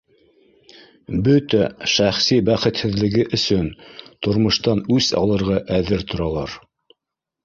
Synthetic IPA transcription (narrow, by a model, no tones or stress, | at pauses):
bɵt̪æʃæχsibæχɘ̆t̪hɘ̆ðlɘ̆ɡɘʔɵ̆sɵnt̪ŏɾmŏʃt̪ɑnʉsɑ̰lˠɤ̆ɾʁɑʔæðɘɾt̪ŏɾɑlˠɑɾ